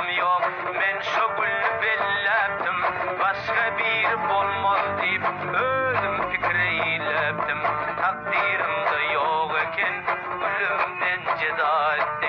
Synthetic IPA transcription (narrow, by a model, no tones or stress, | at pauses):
mjoq̚ | menʃʊɡʲylnɪbelːɛp̚t̪ɪmbɑʃqɑbiɾɪbolˠmond̪ejɪp̚ | øzɪmfʰɪkʲɾɪjijlɛp̚t̪ʰɪmt̪ʰɑq̚d̪iɾɪmd̪ɑjoʁekʲʰen | ɡʲylɪmnɪnd͡ʒɪd̪ɑt̪ː